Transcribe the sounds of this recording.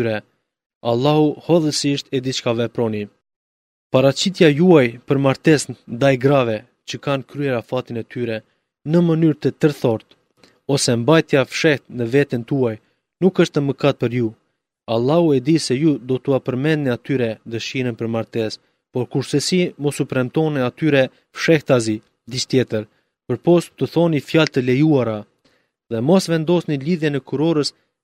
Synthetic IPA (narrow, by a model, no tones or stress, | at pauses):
ɾɛ | alˠːahuhɔðəsiʃt̪ɛd̪it͡ʃkavɛpɾɔni | paɾat͡ɕit̪̬jajuajpəɾmaɾt̪ɛsnnd̪ajɡɾavɛ | t͡ɕəkankɾyɛɾafat̪inɛt̪ʰyɾɛ | nəmənyɾt̪ət̪əɾθɔɾt̪ | ɔsɛmbajt̪jafʃɛht̪nəvɛt̪ənt̪uaj | nukəʃt̪əməkat̪̚pəɾju | alˠːahuɛd̪isɛjud̪ɔt̪uapəɾmɛnniat̪yɾɛd̪əʃiɾənpəɾmaɾt̪ɛs | pɔɾkuɾsɛsimɔsupɾɛmt̪ɔnɛat̪yɾɛ | fʃɛht̪azi | d̪ist̪jɛt̪əɾ | pəɾpɔst̪t̪uθɔnifjalt̪əlɛjuaɾa | ðɛmɔsvɛnd̪ɔsniliðjɛnɛkuɾɔɾəs